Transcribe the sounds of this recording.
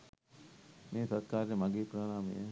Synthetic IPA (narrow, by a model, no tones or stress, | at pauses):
meːt̪ɐt̪kaːɾjəmɐɡeːpɾaːnaːmḛjə